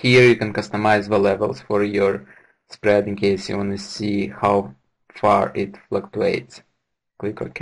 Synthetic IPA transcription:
hiɹjɨkɛ̃nkʌst̪əmaɪzðəlɛvəlˠsfɔɹjɔɹ | spɹɛdɪ̃ŋkʰeɪsjṵwɔ̃nɨsihaw | fɑɹɪtflaktueɪts | klɪkɔ̰˞k

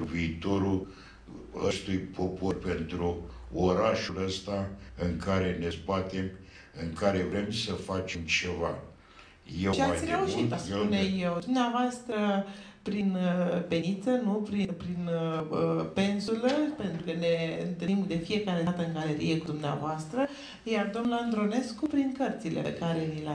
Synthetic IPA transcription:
viːt̪o̞ɾul | əst̪ujpʰo̞po̞rpe̞nt̪ɾuoɾaʃuləst̪aɨŋkʰaɾe̞ne̞sbat̪e̞m | ɨŋkaɾe̞vɾe̞msəfat͡ʃemt͡ʃe̞va | jet͡ʃeasʲreuʃit̪uneje̞wd̪umneavoast̪ɾəpɾinpe̞nit̪sənupɾipɾinəpe̞nsuləpe̞nt̪ɾukəne̞ɨnt̪ɨimd̪e̞fije̞kaɾe̞t̪əɨŋɡaleɾije̞kud̪umnea̰voast̪ɾə | jard̪omnand̪ɾo̞ne̞skupɾiŋkərt̪silḛpḛkaɾe̞nila

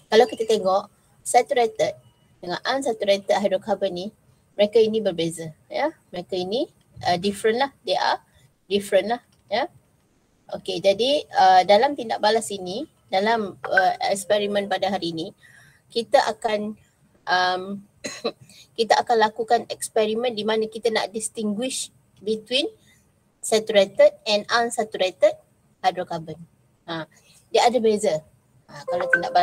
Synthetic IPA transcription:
kalawkit̪at̪eŋɔʔ | sat̪uɾet̪ət̪̚ | dəŋanʔansat̪uɾet̪ət̪̚ɦaɾokabəni | məɾekainĩbərbezajaməɾekaini | ədifɾənlahdeʔa̰ | difɾənlah | ja | ʔoked͡ʒadiədalamt̪indaʔ̚balasini | dalaməɛ̰kspɛɾimə̃npadaɦaɾiːni | kit̪aʔa̰kan | ʔəm | kit̪aʔakanlakukanɛkspɛɾimə̃ndimãnãkit̪ana̰ʔdist̪iŋɡwɪʃ | bit̪win | sɛt̪uɾet̪əd̚ɛ̃nãnsat̪uɾet̪ət̚ | hadɾokabən | a | diaʔadabezə | akalat̪indaʔba

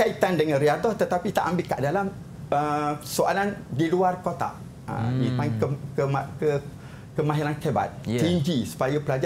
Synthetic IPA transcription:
kait̪andəŋãnriad̪ɔht̪ət̪apit̪aʔambɪlka̰ʔdalam | əsoa̰landiluarkot̪a̰ | ə̰ipankəkəmakə | kəmãɦiɾankeba̰t̪̚t͡ʃeɲd͡ʒisu̥pajapəlad͡ʒa

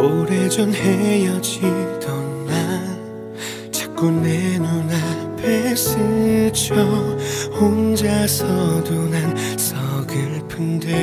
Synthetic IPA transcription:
oɾed͡ʑʌnhejʌd͡ʑid̥ʌna | t͡ɕʰḁk̚k͈unːenunapʰesɯt͡ɕʰʌhond͡ʑasʰʌdonan | sʰʌɡɯɭpʰɯnde

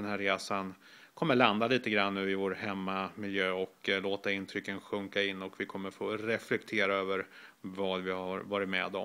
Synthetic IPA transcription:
ɛnɦæɾɾeːsan | kʰɔmːəɭand̪aliːt̪əɡɾanːʉ̟ːɪvoːɾhɛmːamɪljøːɔkloːt̪aɪnt̪ʰɾʏkːənɧɵŋkaɪnːɔkvɪkʰɔmːəɾfoːɾɛflɛkt̪ʰeːɾaøːvəɾvɑːd̪vɪhaɾvɑːɾɪt̪mɛ̰d̪ɔ̰m

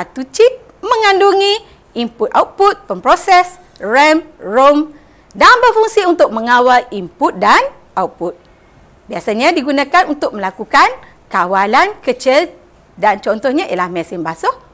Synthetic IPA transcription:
at̪ut͡ʃip̚ | mə̃ŋanduŋi | imput̪̚awt̪̚put̪̚pəmpɾosɛs | rɛmrom | danbərfuŋsiunt̪ʊk̚mə̃ŋawalimput̪̚dan | ʔawt̚put̪̚ | biasaɲãdiɡunãkanunt̪ʊk̚mə̃lakukan | kawalankət͡ʃil | dant͡ʃɔnt̪ɔhɲãʔḭalahmɛ̃sɪnbasʊh

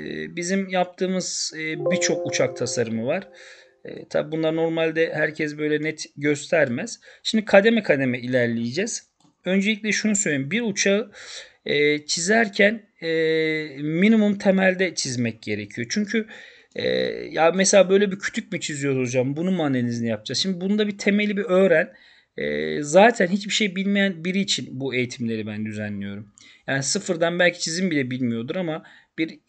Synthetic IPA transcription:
ɛ̰bizimjap̚t̪ʰɯːmɯz̥bit͡ʃʰo̞kut͡ʃʰak̚t̪ʰasaɾɯmɯvaɾ̥ | ɛ̰t̪ʰa̰bibunlˠaɾno̞ɾmalʲd̪ɛhæɾcʰɛs̬bø̞jlʲɛnɛt̪ɟøst̪ʰæɾmæz̥ʃimd̪ikʰad̪emɛkʰad̪e̞mɛilʲæɾlʲijid͡ʒɛz̥ | ø̞nd͡ʒelʲic̚ʲlʲɛʃunusøjlʲeiimbiɾut͡ʃʰaɯ | ɛːt͡ʃʰizæɾcʰæn | ɛ | minimumt̪ʰe̞mælʲd̪ɛt͡ʃʰizmɛc̚ɟe̞ɾecʰijo̞t͡ʃʰyɲcʰy | ɛ̰jameselʲaːbø̞jlʲebicʰy̥t̪ʰyc̚mit͡ʃʰizijo̞od͡ʒambunumaːnelinizinijap̚d͡ʒaʃimd̪ibunud̪abit̪ʰe̞melʲibiø̞ːɾæn | ɛ̰ːzaːt̪ʰænɦit͡ʃbiʃe̞jbilʲmejænbiɾiːt͡ʃʰinbue̞jit̪ʰimlʲe̞ɾibænd̪yzænlːʲijo̞ɾum | jaːnisɯfɯɾd̪anbælʲcʰi̥t͡ʃʰizimbilʲɛbilʲmijo̞d̪uɾamab̥iɾ

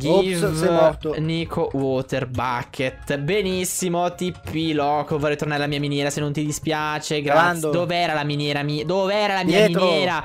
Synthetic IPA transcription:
ɡivvɔtonikʰowɔt̪erbakʰːet̪benisːimot̪ipːilɔːkovɔrɛjt̪ornaːɾalamiːaminjɛːɾasenːont̪id̪ispjaːt͡ʃeɡɾaaod̪oveɛːɾalaminjɛːɾamiːad̪oveɛːɾalamiːɛaminjɛːɾa

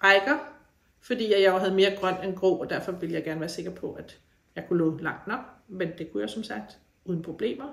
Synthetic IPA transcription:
ʁaɪɡ̥ɐ | fɒ̽d̥ḭːjɑjɑ̈ɪɦæð̞̩ˠme̝ːɐɡ̥ʁɶn̰d̥enɡ̥ʁɔ̰ːɒd̥æɐ̰fɒ̽ʋe̝ləjɑɪɡ̥æɐnʋæːɐse̝ɡ̥ɐpʰɒ̽ʔæd̥ | jɑ̈ɪkʰulɔ̰lɑ̈ŋ̰d̥nɒ̽ɡ̥mend̥e̝kʰujaʊsɒ̽msɑɡ̥̚d̥ | uːð̞ˠn̩pʰʁo̝b̥le̝̰ːmɐ

